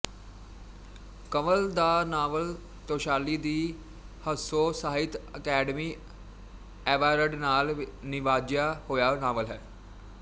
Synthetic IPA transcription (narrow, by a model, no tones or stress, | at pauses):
kəməld̪aːnaːʋəl | t̪oːʃaːliːd̪iː | həsoːsaːɪt̪əkɛːɖəmiː | ɛːʋaːɾəɖnaːlnɪʋaːd͡ʒjaːhoːjaːnaːʋəlɦɛː